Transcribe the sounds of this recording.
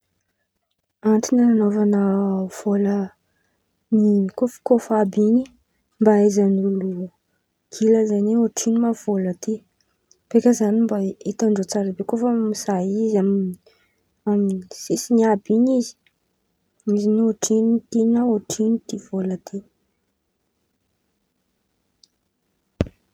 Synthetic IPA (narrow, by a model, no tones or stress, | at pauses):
aɳʈ͡ʂinananovanəv̥olə | nikofi̥kofabini | mbaazanulu | ɡ̥iləzaneoʈ͡ʂinimav̥olət̪i | pekəzanimbait̪aɳɖ͡ʐot͡saɾabekofəmizaiizamini | aminsisiniabiɲizi̥ | mizinoʈ͡ʂinit̪inaoʈ͡ʂinid̪ivolət̪e